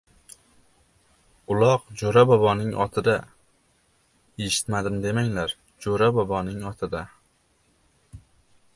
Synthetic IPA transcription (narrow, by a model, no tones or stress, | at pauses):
ʊlˠɒqd͡ʒoɾabɒbɒnɪŋʔɒt̪ʰɪd̪a | eʃɪ̥t̪mad̪ɪmd̪e̞maŋlaɾ | d͡ʒoɾabɒbɒnɪŋɒt̪ʰɪd̪a